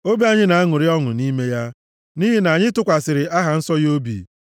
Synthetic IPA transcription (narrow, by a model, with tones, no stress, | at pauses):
o˦bi˦a˨ɲɪ˦na˨a˦ŋʊ˨ɾɪ˦ɔ˦ŋʊ̰˨ni˦me˦ja˦ | ni˦ɦɪ˨na˨ɲɪ˦tʊ˦kʷa˨sɪ˨ɾɪ˨ʔa˦ɦa˨n̩˦sɔ˦jo˦bḭ˨